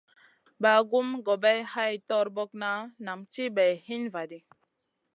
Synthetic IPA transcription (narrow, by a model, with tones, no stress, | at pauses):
ba˨ɡu˦mɡɔ˨bɛ˦jha˦jtɔ˦ɾbɔ˦k̚na˦na˨mt͡ʃi˦bɛ˨jhi˦nva˨di˨